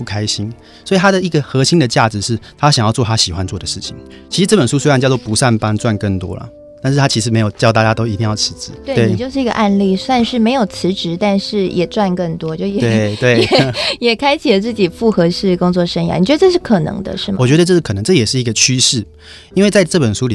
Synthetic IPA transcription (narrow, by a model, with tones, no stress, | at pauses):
pu˥˩kʰa˥ɪɕi˦˥n | swɔ˧˥i˨t̪ʰa˥d̪ə˨i˧˥ɡə˨xɤ˧˥ɕi˥ŋd̪ə˨t͡ɕja˥˩ʈ͡ʂɻ̩˨˩ʂɻ̩˥˩t̪ʰa˥ɕjŋjɑ˥˧ʊt͡sɔ˥˩t̪a˥ɕi˨˩xwa˦nt͡swɔ˥˩d̪ə˩ʂɻ̩˥˩t͡ɕʰḭ˨˦ŋ | t͡ɕʰi˧˥ʂɻ̩˧˥ʈ͡ʂɤ˥˩pə˨˩nʂu˥swe˥ɪa˥˧nt͡ɕjwɔ˥˨pu˧˦sa˥˩npa˥nt͡swa˥˧nkə˥˩ŋt̪wɔ̰˦˥lɐ̰˨˩ | t̪a˥˧nʂɻ̩ʰ˥˩a˥t͡ɕʰi˧˥ʂɻ̩˧˥me˧˥ɪjo˨˩ʊt͡ɕjɑ˥˧ʊt̪a˥˧˩t͡ɕja˥t̪o˥ʊi˧˥t̪i˥˧ŋjɑ˥˩ʊt͡sʰɻ̩˧˥ʈ͡ʂɻ̩˧˦t̪we˥˩we˩n˨t͡ɕjo˥˧ʊʂɻ̩˥˩i˧˥ɡə̰˧ʔa˥˧nli˥˩swa˥˧nʂɻ̩˥˩me˧˥ɪjo˨˩ʊt͡sʰɻ̩˧˥ʈ͡ʂɻ̩˧˥t̪a˥˧nʂɻ̩˥˩jɛ˨˩t͡swa˥˧nkə˥˩ŋt̪wɔ˥t͡ɕjo˥˩˧jwe˥˩t̪we˥˩ɪjɛ˨˩kʰa˥ɪt͡ɕʰi˨˩lə˩t͡sɹ̩˥˩t͡ɕi˨˩fu˥˩xɤ˧˥ʂɻ̩˥˩kʊ˥ŋt͡swɔ˥˩ʂə˥ŋja̰˧˦ni˨t͡ɕɥɛ˧˥də˧ʈ͡ʂɤ˥˧ʂɻ̩˥˩kʰɤ˨˩nɤ̰˧˥ŋd̪ə̰˧ʂɻ̩˥˩wɔ˨˩t͡ɕɥɛ˧˥d̪ə˧ʈ͡ʂɤ˥˧ʂɻ̩˥kʰɤ˨˩nɤ˧˦ŋʈ͡ʂɤ˥˩jɛ˨˩ʂɻ̩˥˩i˧˥ɡə˧t͡ɕʰy˥ʂɻ̩˥˩ | i˥nwe˥˧ɪt͡sa˥˧ɪʈ͡ʂɤ˥˩pə˨˩nʂu˥li˨